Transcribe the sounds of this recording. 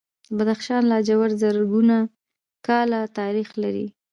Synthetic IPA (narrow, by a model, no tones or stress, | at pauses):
bad̪axʃɑnlad͡ʒawaɾzəɾɡuna | kɑlat̪ɑɾixlaɾḭ